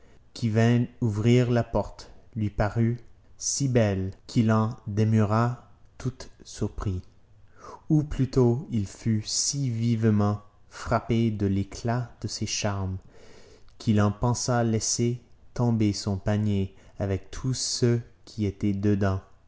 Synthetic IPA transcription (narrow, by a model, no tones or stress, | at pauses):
kʲʰivɛ̃uvʁiʁlapɔʁt̪lɥipaʁy | sibɛlkʰilɑ̃d̪emyʁat̪ʰut̪syʁpχi | uplyt̪oilfysivivmɑ̃ | fχaped̪əlekʰlad̪̥əseʃaʁm | kʰilɑ̃pɑ̃salɛset̪ɔ̃besɔ̃paɲjeavɛk̚t̪ʰusøkʲʰiet̪ɛd̪əd̪ɑ̃